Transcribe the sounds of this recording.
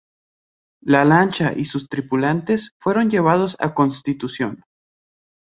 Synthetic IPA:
lalant͡ʃaʔisust̪ɾipulant̪e̞sfwe̞ɾo̞nd͡ʒe̞β̞að̞o̞sa̰ko̞nst̪it̪usjo̞̰n

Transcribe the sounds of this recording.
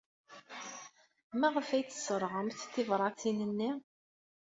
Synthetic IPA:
mæʁəfæjt͡sːə̥səɾˤʁəmθθɪvɾˤɑt͡sːinənːi

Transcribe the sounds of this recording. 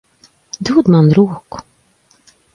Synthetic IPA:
d̪uːd̪manɾoːkʊ̥

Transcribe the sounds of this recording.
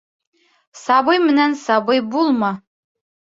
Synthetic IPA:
sabɤjmɘnænsɑbɤjbulˠmɤ

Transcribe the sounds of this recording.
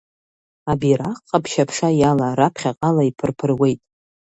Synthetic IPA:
abiɾaqʼːapʰʃapʰʂajalaɾapʰχʲaqʼalaipʰɨrpʰɨrwe̞jtʼ

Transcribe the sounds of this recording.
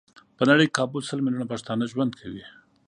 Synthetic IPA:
pənaɽəjkɑbʊlsəlmɪlunapaʃt̪ɑnəʒwand̪kʰawi

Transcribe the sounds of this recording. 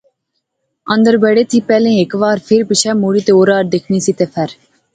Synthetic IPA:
ɐ̃nd̪əɾbɛːɽet̪ʰipɛːlẽekʋaːɾpʰɪɾpɪʃʰɛːmoːɽiːt̪eoːɾaːɾd̪eːkʰnisit̪efʰɐɾ

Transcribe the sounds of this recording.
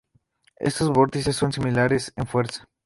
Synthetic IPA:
ḛst̪ozβoɾt̪isesːonsimilaɾesenfweɾsḁ

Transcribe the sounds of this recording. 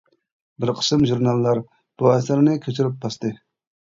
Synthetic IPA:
bɪɾqʰə̥sɨmʒuɾnɑlˠːɑɾ | b̥uɛsɪɾnɨkʲʰøt͡ʃ̪ʰyɾɪp̚bɑst̪ɨ

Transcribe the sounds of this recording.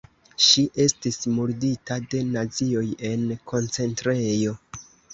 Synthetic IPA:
ʃiʔe̞stismuɾditade̞nazio̞je̞nkʰo̞nt͡se̞ntɾ̞e̞jo̞

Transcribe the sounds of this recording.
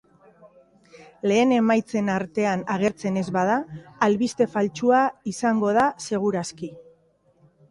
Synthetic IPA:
le̞ːne̞majt͡se̞naɾt̪e̞anaɣ̞e̞ɾt͡se̞ne̞zβað̞aːlβist̪e̞falt͡ʃuaisaŋɡo̞ð̞ase̞ɣ̞uɾaski

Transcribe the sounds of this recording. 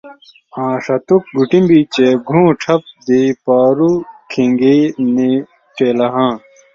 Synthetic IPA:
ãːʂɐt̪uk̚ɡuʈĩmbit͡ɕeɡʱũːʈ͡ʂʰɐp̚d̪iːpaːɾukʰiŋɡiːni | ʈeːlɐɦãː

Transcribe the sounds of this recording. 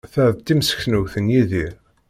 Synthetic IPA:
θæʕðt̪ːimsə̥çnuwθənjiðiɾ

